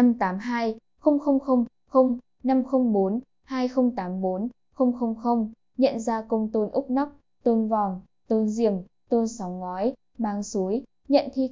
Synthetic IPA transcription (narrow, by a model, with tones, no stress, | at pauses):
a˧mt̪aː˨˦mɦaː˧j | xə˧wŋ͡mxə˧wŋ͡mxə˧wŋ͡m | xə˧wŋ͡m | na˧mxə˧wŋ͡mɓo˨˦n | haː˧jxə˧wŋ͡mt̪aː˨˦mɓo˨˦n | xə˧wŋ͡mxə˧wŋ͡mxə˧wŋ͡m | ɲə̰˧˨nzaː˧kə˧wŋ͡mt̪o˧nʔʊ˦˥k͡p̚na˦˥wk͡p̚ | t̪ə˧nvɔ˨˩ŋ͡m | t̪o˧nzi˧˩əm | t̪ə˧ənsɔ˨˦wŋ͡mŋɔ˨˦j | ɓaː˨˧˦ŋsu˨˦j | ɲə̰˧˨nt̪ʰi˧